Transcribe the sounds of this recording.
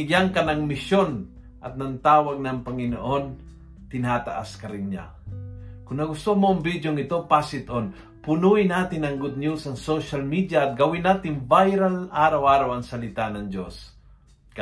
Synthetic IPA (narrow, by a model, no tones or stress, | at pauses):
ɡjaŋkɐnɐŋmɪʃjon | ʔɐt̪̚nɐnt̪aːwaɡ̚nɐŋpɐŋɪno̰ʔon | t̪ɪnaːt̪a̰ʔa̰skɐɾɪnɲa̰ | kʊnnɐɡʊst̪omoːŋbid̪joŋɪt̪opasɪt̪ʔon | pʊnuɪnaːt̪ɪnɐŋɡʊd̪̚njusɐŋsoʃalmid̪jaʔːt̪̚ɡɐwɪnːaːt̪ɪŋbajɾalaːɾawʔaːɾawɐŋsɐlɪt̪anɐŋd͡ʒos | k